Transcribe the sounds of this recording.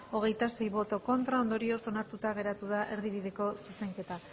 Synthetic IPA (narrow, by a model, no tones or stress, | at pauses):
o̞ɣ̞e̞jt̪ase̞jβo̞t̪o̞ko̞nt̪ɾao̞nd̪o̞ɾio̞so̞naɾt̪ut̪aɣ̞e̞ɾat̪uð̞aʔe̞ɾðiβ̞iðe̞ko̞suse̞ŋke̞t̪a